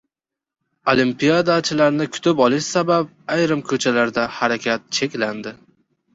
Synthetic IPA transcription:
olimpijad̪at͡ʃʰɪlaɾnɪkʰʊ̥t̪ʰɪpɒlˠɪʃsabap̚ajɾɪmkʰɵt͡ʃʰalaɾd̪ahaɾakʲʰat̪̚t͡ʃʰe̞kʲland̪ɪ

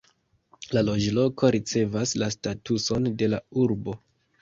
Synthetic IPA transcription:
lalo̞d͡ʒlo̞kʰo̞ɾit͡se̞vaslastatuso̞nde̞lauɾbo̞

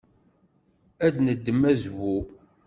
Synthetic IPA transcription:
æd̪nəd̪ːəmːæzwu

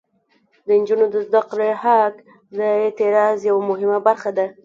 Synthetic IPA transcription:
d̪ənd͡ʒunod̪əzd̪aqɾehak | d̪əet̪ɪɾɑzjawamʊɦɪmabaɾxad̪a

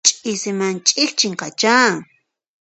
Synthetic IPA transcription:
t͡ʃʼɪsɪmant͡ʃʼɪχt͡ʃɪŋqa̰t͡ʃa

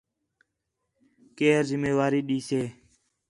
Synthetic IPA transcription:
keːɾzɪmeːʋaːɾiːɗiːseː

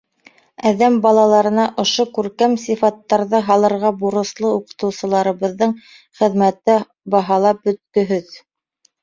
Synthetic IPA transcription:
æðæmbɑlˠɑlˠɑɾɤ̆nɑʔŏʃokʉɾkæmsifɑt̪ːɑɾðɤɦɑlˠɤ̆ɾʁɑbuɾɤ̆slˠɤuqɤ̥̆t̪ɤ̆wsɤ̆lˠɑɾɤ̆βɤ̆ðːɤɴ | χɘ̆ðmæt̪ɘ | bɑɦɑlˠɑp̚bɵ̆t̪̚kɵ̆ɦɵð

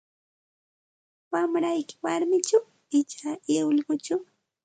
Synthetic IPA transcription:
wamɾajkɪ̥waɾmɪt͡ʃaw | ɪt͡ʃaeʊlɢʊt͡ʃaw

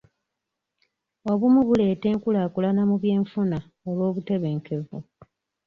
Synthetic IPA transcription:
o̞βumuβule̞ːte̞ːŋkulaːkulanamuβje̞ːɱfuna | olwo̞ːβute̞βe̞ːŋke̞vu

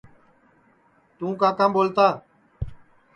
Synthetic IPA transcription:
t̪ũːkãːkãːmɓoːlt̪aː

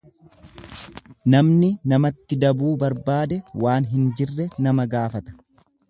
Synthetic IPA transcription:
nɐmnɪnɐmɐt̪ːɪd̪ɐbuːbɐɾbaːd̪ɛwaːnɦɪnd͡ʒɪrːɛnɐmɐɡaːfɐt̪ɐ̥

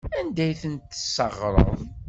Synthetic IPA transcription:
ænd̪æjθənt̪ːə̥sːəʁɾˤə̰ðˤ

